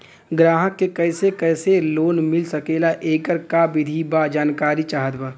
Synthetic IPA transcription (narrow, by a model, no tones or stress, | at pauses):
ɡɾaːɦəkːekɛɪsekɛːseloːnmɪlsəkeːlaʔeːɡəɾkabɪd̪ʱibad͡ʒaːnkaːɾit͡ʃaːɦət̪bə